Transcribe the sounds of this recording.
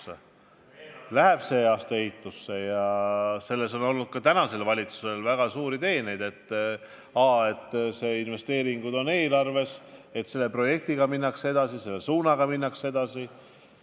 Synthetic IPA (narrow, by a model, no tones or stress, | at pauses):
ḛ | læɦeb̥se̞ːɑːst̪ɑe̞hit̪ːˑusːe̞jɑse̞lːe̞so̞no̞lnud̪̥̚kɑt̪ænɑse̞lvɑlʲit̪su̥se̞lvæɡ̥ɑsuːɾit̪e̞ːnejd̪e̞t̪ː | ɑːe̞t̪ːseːinve̞st̪e̞ːɾiŋɡ̥ud̪o̞ne̞ːlɑrve̞se̞t̪se̞lːe̞pro̞je̞k̚t̪iɡ̥ɑminːɑkse̞d̪̥ɑsise̞lːesuːnɑɡ̥ɑminːɑkse̞d̪̥ɑsi